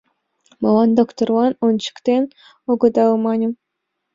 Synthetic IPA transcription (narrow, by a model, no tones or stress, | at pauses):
molˠɑnd̪okt̪orwɑnont͡ɕi̥kt̪ʲen | oɡɤ̆d̪ɑlmɑnʲu